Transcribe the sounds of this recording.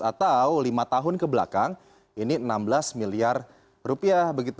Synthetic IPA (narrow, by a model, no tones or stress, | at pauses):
at̪awlimat̪aɦʊnkəbəla̰kaŋ | ininambəlasmiliar | rupiahbəɡit̪